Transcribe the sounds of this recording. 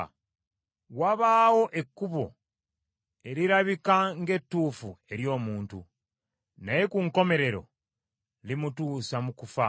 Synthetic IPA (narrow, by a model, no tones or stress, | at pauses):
waβaːwo̞ʔe̞kːuβo̞̰ | e̞ɾiɾaβikaŋɡe̞tːuːfue̞ɾjo̞ːmuːntu | naje̞kuŋko̞me̞ɾe̞ɾo̞̰ | limutuːsamukufa